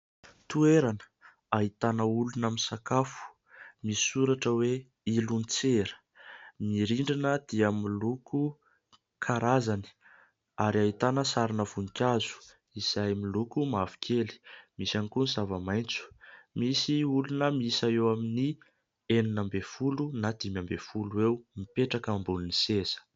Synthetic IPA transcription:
t̪ueɾanə̥ | aɦit̪anəulunamisakafu̥ | miisuɾaʈ͡ʂəwe | ilunit͡seɾə̥ | miɾiɳɖ͡ʐinəd̪̥iamiluku | kʰaɾazani̥ | aɾiait̪anəsaɾinəvunikʲazu̥ | izajmilukumavi̥kʰʲeli̥misanikunzavəmajnt͡su̥misiulunəmiisaewamini | eninambefulunad̪̥imambefuluewmipeʈ͡ʂakambulunisesə̥

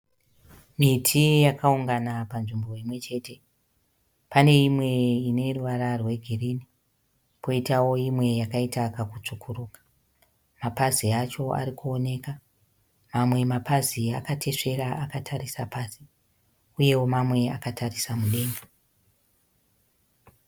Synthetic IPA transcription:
mitʰijakauŋɡanapanʐimbo̞imwe̞t͡ʃe̞ːte̞ | pane̞imwe̞ine̞ruʋaɾarwe̞ɡʱiriːni | po̞itawo̞imwe̞jakaitakakut͡ʂukʰurukḁ | mapaziat͡ʃo̞a̰ɾikuo̞ne̞ka | mamwe̞mapaziakatʰe̞ʂe̞ɾaʔakatʰarisapaːsi̥ | uje̞wo̞mamwe̞akatʰarisamuɗe̞ːŋɡe

